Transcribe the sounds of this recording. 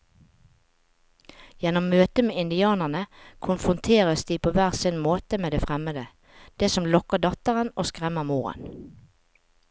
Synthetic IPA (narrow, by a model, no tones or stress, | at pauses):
jɛnɔmːøːt̪əmeːɪnd̪ɪɑːnəʁnəkʰʊnfʁʊnt̪ʰeːʁəsd̪iːpʰoːʋæːʁsɪnmoːt̪əmeːd̪eːfʁɛməd̪ə | d̪̥eːsɔmlɔkəɖɑt̪əʁənoːskʁɛməmuːʁə̰n